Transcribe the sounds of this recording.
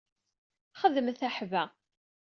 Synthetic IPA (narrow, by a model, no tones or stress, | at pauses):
χəðəmθaħvæ